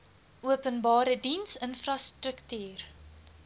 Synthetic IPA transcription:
ʔuəpənbɑːɾədinsənfrɐstrəktyːr

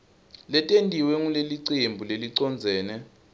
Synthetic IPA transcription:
lɛtʼendʱiwɛŋuleliǀembʱuleliǀɔnd͡zʱɛːnɛ

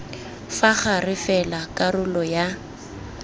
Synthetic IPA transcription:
faχarɪfɛlakʼarʊlɔja

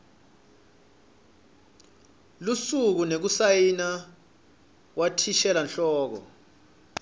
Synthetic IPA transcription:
lusuk̬unek̬usajina | wʔatʰiʃɛlanɬɔːk̬ɔ̰

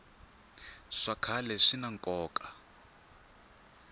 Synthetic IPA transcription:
ʂakʰalɛʂinaŋkʼɔːkʼa

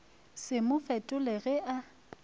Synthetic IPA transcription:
sɪmʊfɛtʼʊleɣɛʔa

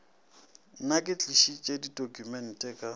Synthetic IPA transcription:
nakʼɪt͡ɬʼiʃit͡ʃʼedidokʼumɛn̩tʼɛːkʼa

